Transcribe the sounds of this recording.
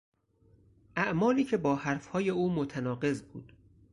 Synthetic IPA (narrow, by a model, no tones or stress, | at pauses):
ʔæʔmɒːliːcʰe̞bɒːhæɾfhɒːje̞uːmot̪ʰænɒːɢe̞zbuːd̪̥